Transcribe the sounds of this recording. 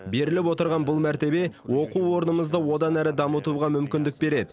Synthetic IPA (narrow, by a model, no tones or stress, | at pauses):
be̞ɾɪlɪpwo̞t̪əɾʁɑnbʊlˠmæɾt̪e̞be̞wo̞quwwo̞ɾnəməzd̪əwo̞d̪ɑnæɾɪd̪ɑmət̪uʁɑmʏmkʲɪnd̪ɪk̚be̞ɾe̞d̪ɪ